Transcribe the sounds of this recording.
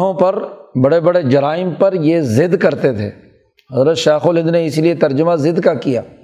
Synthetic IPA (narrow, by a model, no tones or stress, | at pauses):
ɦõpɐɾbɐɽebɐɽed͡ʒɐɾaːɪmpɐɾjezɪd̪kɐɾt̪et̪ʰḛː | ɦɐzɾət̪ʃaːxolɦɪ̃nd̪neɪsiliet̪ɐɾd͡ʒəmazɪd̪kakija̰ː